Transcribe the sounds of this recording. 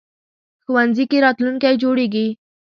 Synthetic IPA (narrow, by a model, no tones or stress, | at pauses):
xuwanzikeɾɑt̪luŋkajd͡ʒoɽeɡi